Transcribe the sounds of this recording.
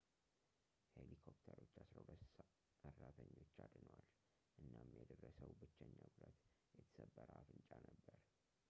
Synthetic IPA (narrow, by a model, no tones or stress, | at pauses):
helikʰopt̪ʰəɾo̞t͡ʃːasɾəwləss | ɨrːat̪ʰəɲːo̞t͡ʃːad̪nəwal | ʔɨnːamjɛd̪ərːəsəwbɨt͡ʃːɛɲːaɡulat̪ | jɛt̪ʰə̥səbːəɾəafɨnt͡ʃʼanəbːəɾ